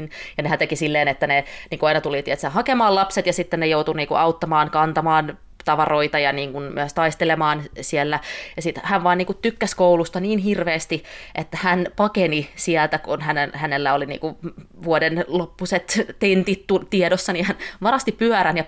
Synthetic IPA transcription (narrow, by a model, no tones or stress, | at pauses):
njɑnehænt̪ekisilːeːnet̪ːæneniːŋkuɑinɑt̪ulit̪iet̪sehɑkemɑːlɑpset̪jɑsit̪ːennejout̪uniːŋkṵʔɑut̪ːɑmɑːnkɑnt̪ɑmɑːn | t̪ɑʋɑroit̪ɑjɑniːŋkunmy̰øst̪ɑist̪elemɑːnsielːæjɑsit̪hæʋʋɑːniːkut̪t̪ykːæskoulust̪ɑniːnhirʋeːst̪iʔet̪ːæhænpɑkenisielt̪ækunhænenhænelːæolinḭːŋkuʋuodenlopːuset̪t̪ent̪it̪t̪ut̪iedosːɑniːhænʋɑrɑst̪ippyœɾænjɑ